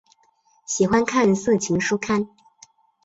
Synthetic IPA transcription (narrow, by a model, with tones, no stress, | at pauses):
ɕi˨˩xwa˥nkʰa˥˧n˧sɤ˥˩t͡ɕʰi˧˥ŋʂu˥kʰa˥n